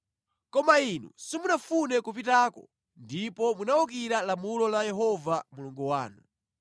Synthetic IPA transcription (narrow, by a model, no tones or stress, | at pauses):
kɔmainṵsimunafunɛkupitaːkɔ̰ | ndipɔmunaɔk̬iɾalamulɔlajɛɦɔvamuluŋɡuwa̰ːnu